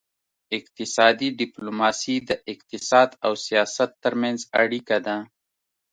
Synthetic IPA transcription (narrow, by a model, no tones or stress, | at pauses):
ɪq̚t̪ɪsɑd̪iɖɪplomɑsid̪əʔɪq̚t̪ɪsɑd̪awsijɑsat̪ːəɾmanza̰ɽikad̪a